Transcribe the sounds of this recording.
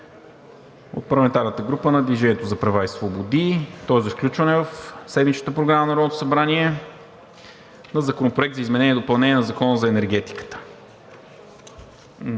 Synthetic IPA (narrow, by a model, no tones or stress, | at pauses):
o̰t̪̚pɐɾlˠɐmɛnt̪aɾnət̪əɡɾupənɐd̪viʒɛniɛt̪ozɐpɾɐvaisvobod̪it̪ɔɛzɐfklʲut͡ʃvɐnɛvəfsɛd̪mit͡ʃnət̪əpɾoɡɾamənɐɾɔnot̪o̥sɐbɾaniɛ | nɐzɐkonopɾoɛkt̪zəizmɛnɛniɛd̪opɐlˠnɛnʲiɛnɐzɐkɔnəzɐɛnɛɾɡ̟ɛt̪i̥kə̥t̪ə̥